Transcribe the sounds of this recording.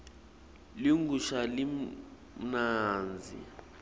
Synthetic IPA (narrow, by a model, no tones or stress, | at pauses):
liŋɡuʃali | naːnd͡zʱḭ